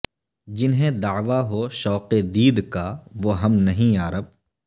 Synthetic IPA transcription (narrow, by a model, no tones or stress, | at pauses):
d͡ʒɪnɦẽd̪ɐːʋaɦoʃɔːqed̪iːd̪kaʋoɦɐmnɐɦĩaːɾəb̚